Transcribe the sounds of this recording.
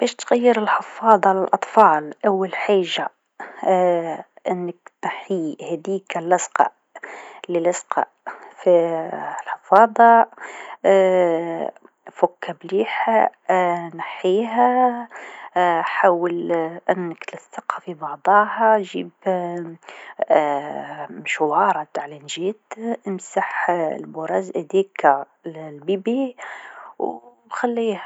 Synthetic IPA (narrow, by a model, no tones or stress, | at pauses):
b̥ɛːʃt̪ɣæjːɪɾɪlħəfɑːd̪ˤɑʕlalʔɑt̪ˤfɑːlʔawːalħaːʒːa | ʔɪnːɪkt̪naħihɛd̪iːkælʔɪsqɑ̰ | lilɪsqɑ̰ | filħɑfɑːd̪ˤɑ | fʊkːabliːħa | naħiɦæ | ħaːwəlʔənəkt̪ləsɑqːɑfibɑʕd̪ˤɑːhɑʒiːb | ʃwɑːɾˤɑt̪aʕlænʒit̪ʔəmsaħlbʊɾˤɑzʔæd̪ik | lbibi | w | xælːihæ